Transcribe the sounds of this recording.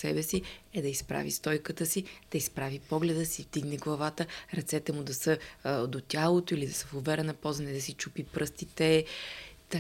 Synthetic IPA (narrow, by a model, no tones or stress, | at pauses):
sɛbɛsiɛd̪ɐispɾa̰vḭst̪ɔjkət̪əsid̪̥ɐispɾavipɔɡlɛd̪əsivd̪iɡnɛɡlˠɐvat̪əɾɐt̪sɛt̪ɛmud̪ɐsəd̪ot̪ʲjalˠot̪oilid̪ɐsəfovɛɾənɐpɔzənɛd̪ɐsit͡ʃupipɾəst̪it̪ɛ | t̪